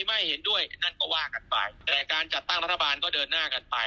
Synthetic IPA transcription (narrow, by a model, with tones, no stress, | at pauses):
i˧˩ma˥˩jhe˩˦ndu˥˩əjna˥˩nkɔː˥˩waː˥˩ka˧npa̰˧jt̪ɛː˨˩kaː˧nt͡ɕa˨˩t̪ːa˥˩ŋɾa˦˥t̪ʰːbaː˧nkɔː˥˩dɤː˧nːaː˥˩ka˧npa˧j